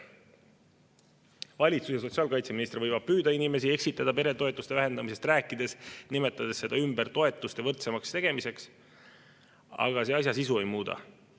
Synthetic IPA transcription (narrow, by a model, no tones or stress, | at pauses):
vɑlʲit̪susjɑs̬o̞t̪siɑːlkɑjt̪seminist̪rvɤjvɑb̥̚pyːd̪ɑinime̞sie̞ksit̪ːˑɑd̪̥ɑpe̞ɾe̞t̪o̞et̪ːˑust̪e̞væɦe̞nd̪ɑmise̞st̪ræːkːˑid̪̥e̞snime̞t̪ːˑɑd̪̥e̞sːe̞d̪̥ɑymb̥ert̪o̞e̞t̪ːˑust̪e̞vɤrt̪se̞mɑkst̪e̞ɡ̥e̞mise̞ks | ɑ̰ɡ̥ɑse̞ɑs̬ʲjɑsisue̞jmuːd̪ɑ̰